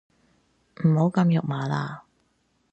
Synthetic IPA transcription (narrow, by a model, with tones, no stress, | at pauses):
m̩˨˩ho˨˥wkɐ˧mjʊ˨k̚maː˨˧la̰ː˧